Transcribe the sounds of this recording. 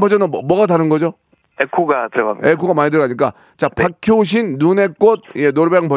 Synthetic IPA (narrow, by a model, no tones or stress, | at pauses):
pʌd͡ʑʌnɯmwʌɡataɾɯnɡʌd͡ʑo | ekʰuɡatɯɾʌɡamekʰuɡamaɲit̬ɯɾɡaɲik͈a | t͡ɕapakʰooɕ̬ʰinːune̞k͈od̚jenoɾbeŋpʌ